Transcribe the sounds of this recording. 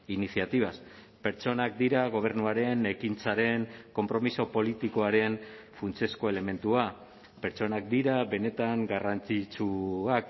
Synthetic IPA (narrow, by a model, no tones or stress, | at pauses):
inisiat̪iβ̞as | pe̞ɾt͡so̞nak̚d̪iɾaɣ̞o̞β̞e̞ɾnuaɾe̞ne̞kint͡saɾe̞ŋko̞mpɾo̞miso̞po̞lit̪iko̞aɾe̞n | funt͡se̞sko̞e̞le̞me̞nt̪ua | pe̞ɾt͡so̞nak̚d̪iɾaβe̞ne̞t̪aŋɡarant͡sit͡suak